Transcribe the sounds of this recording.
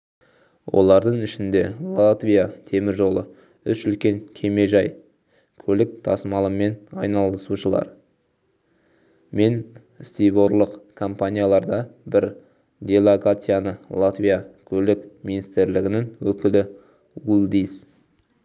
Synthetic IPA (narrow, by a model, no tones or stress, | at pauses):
wʔo̞̰lˠɑɾd̪əɴɪʃɪnd̪e̞lˠat̪vʲijat̪ʰe̞mɪɾʒo̞lˠə | ʏsʏlkʲe̞ŋkʲʰe̞me̞ʒɑj | kʲʰɵlɪk̚t̪ʰɑsmɑlˠəme̞nɑ̰jnɑlˠəsuʃəlˠɑ̰ɾ | me̞n | st̪ijbo̞ɾlˠəqkʰo̞mpanʲijalˠɑɾd̪ɑbɪɾ | d̪ʲe̞lˠokat̪sɨjanəlˠat̪vʲijakʲʰɵlɪkminist̪ɪɾlɪɡʲɪnɪŋwɵkʲɪlɪ | wulˠd̪is